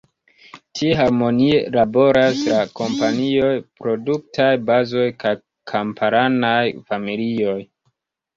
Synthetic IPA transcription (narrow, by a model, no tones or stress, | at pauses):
tʰieɦaɾmo̞nielabo̞ɾaslako̞mpanio̞jpɾo̞duk̚tʰajbazo̞jkaj | kʰampʰaɾanajfamilio̞j